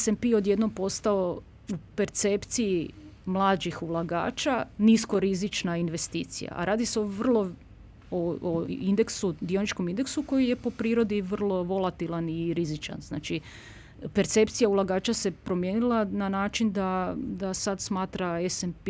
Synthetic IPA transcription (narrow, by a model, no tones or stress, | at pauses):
esempio̞d̪je̞d̪no̞mpo̞st̪ao̞ | upe̞ɾt̪sept̪sijimlˠaːd͡ʒixulˠaɡa̰ːt͡ʃanisko̞ɾizit͡ʃnainʋe̞st̪ḭːt̪sḭja̰a̰ɾaːd̪iseo̞ʋr̩lˠo̞ | ooind̪eksud̪io̞nit͡ʃkomind̪e̞ksuko̞jije̞po̞pɾiːɾo̞d̪iʋr̩lˠo̞ʋo̞lˠat̪ilˠaniɾizit͡ʃa̰nzna̰ːt͡ʃi | pe̞ɾt̪se̞pt̪sijaulˠaɡaːt͡ʃase̞pɾo̞mje̞nilˠananaːt͡ʃind̪ad̪asad̪smaːt̪ɾaesemp